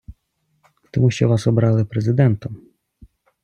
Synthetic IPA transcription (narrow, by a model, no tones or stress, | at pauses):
t̪ɔmuɕt͡ʃɔʋɑsɔbɾɑlˠɪpɾɛzɪd̪ɛnt̪ɔm